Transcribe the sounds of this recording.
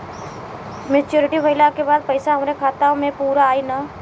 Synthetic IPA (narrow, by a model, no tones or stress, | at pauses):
mɪt͡ʃjoːɾɪʈibʱɐɪlakebaːd̪̚pɐɪsaɦɐmɾekʰaːt̪aõmẽpuːɾaːinaː